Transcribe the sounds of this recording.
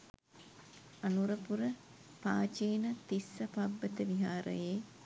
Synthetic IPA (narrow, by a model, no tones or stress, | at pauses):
anuɾəpuɾə | paːt͡ʃeːnət̪isːɐpabːət̪əʋiɦaːɾə̰jeː